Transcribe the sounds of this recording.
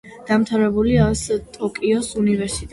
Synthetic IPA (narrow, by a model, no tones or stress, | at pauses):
d̪̥amt̪ʰaɾɛbuliast̪ʼɔkʼiɔsunivɛɾsit̪ʼ